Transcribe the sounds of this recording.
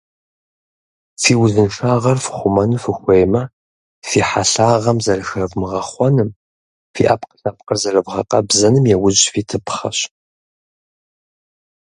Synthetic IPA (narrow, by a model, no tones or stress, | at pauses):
fiːwʊzɨnʂaːʁɐrfɨ̥χʷʊmɐnɨfɨxʷejmɐ | fiːħaɬaːʁɐmzɐrɨxɐvmɨʁɐχʷɔnɨm | fḭːʔɐpqə̥ɬaːp̚qərzɐrɨvʁɐ̰qʼɐ̰bzɐnɨmjɛwʊʑʼfiːtʰɨpʰχɐɕ